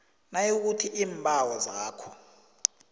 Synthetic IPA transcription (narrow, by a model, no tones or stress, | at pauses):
najok̬utʰiʔiːmbʱawɔzaːkʰɔ̥